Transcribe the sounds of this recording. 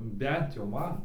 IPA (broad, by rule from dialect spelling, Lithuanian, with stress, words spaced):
ˈbʲɛnt jɛʊ ˈmɐn